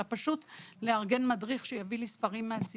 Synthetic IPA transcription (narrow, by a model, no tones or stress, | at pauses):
apaʃutleaʁɡe̞nmadʁiχʃejavilisfɐʁimːeasi